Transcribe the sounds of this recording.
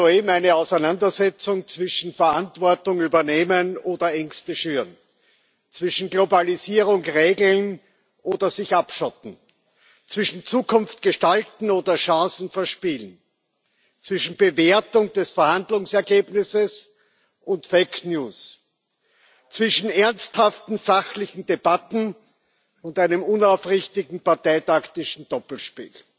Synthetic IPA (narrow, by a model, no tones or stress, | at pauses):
oeːbm̩æɪnəɑʊsæɪnandɐzɛt͡sʊŋt͡sv̥ɪʃn̩fɐantv̥ɔɐtʊŋyːbɐneːmənoːdɐʔɛŋstəʃyːʁn | t͡sv̥ɪʃn̩ɡlobaliziːʁʊŋʁeːɡl̩n | ʔoːdɐzɪçʔapʃɔtn̩ | t͡sv̥ɪʃn̩t͡suːkʰʊnft̚ɡ̥əʃtaltn̩oːdɐʃɑ̃ːsn̩fɛɐʃpiːlən | t͡sv̥ɪʃn̩bəveɐtʊŋd̥ɛsfɛɐhandlʊŋsɛɐɡeːbnɪsəs | ʔʊntfeɪknjuːs | t͡sv̥ɪʃn̩ɛɐnsthaftn̩z̥axlɪçn̩deb̥atn̩ | ʊntæɪnəmʊnaʊfʁɪçtɪɡŋ̩paɐtaɪtaktɪʃn̩d̥ɔpl̩ʃpḭːl